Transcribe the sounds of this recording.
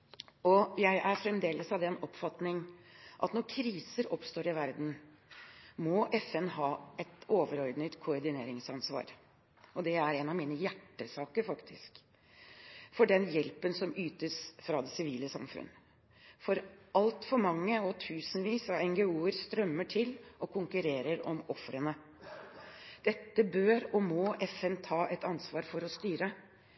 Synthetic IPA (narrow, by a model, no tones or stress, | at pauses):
ɔjæɪʔæɾfɾɛmd̪eːləsɑʋd̪ɛnɔpfɑt̪nɪŋʔɑ̰t̪nɔɾkʰɾiːsəɾɔpst̪oːɾɪʋæɾd̪n̩ | mɔʔɛfɛnɦɑːɛt̪oːʋəɾɔɾd̪nət̪kʰʊɔɾd̪ɪneːɾɪŋsɑnsʋɑ̰ːɾ | ɔd̪ɛæɾɛnɑʋmiːnəjæʈːəsɑːkəɾfɑkt̪ʰɪsk | fɔɖɛnjɛlpənsɔmyːt̪əsfɾɑd̪ɛsɪʋiːləsɑmfʉ̰n | fɔɾɑlt̪fɔɾmɑŋːəɔt̪ʰʉːsənʋiːsɑʋɛŋɡɛuːəɾst̪ɾœmːəʈʰɪlʔɔkʰʊŋkʉɾeːɾəɾɔmɔfɾənə | d̪̥ɛt̪ːəbøːɾɔmɔʔɛfɛnt̪ʰɑːʔɛt̪ɑnsʋɑːɾfɔɾɔst̪yːɾə